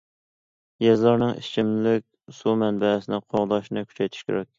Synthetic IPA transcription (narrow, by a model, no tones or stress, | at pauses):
jɛzlˠɑɾnɨŋḭt͡ʃʰɪmlɪk̚ʲsumɛnbɛsɪnɪqʰoʁd̪ɑʃnɨkʲʰy̥t͡ʃʰɛjt̪ʰy̥ʃkʲḛɾɛk̚ʲ